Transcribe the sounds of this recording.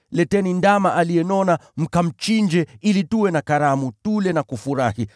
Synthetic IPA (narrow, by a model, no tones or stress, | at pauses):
lɛtɛnindamaʔalijɛnɔnam̩kam̩t͡ʃiɲd͡ʒɛilituwɛnakaɾamutulɛnakufuɾahi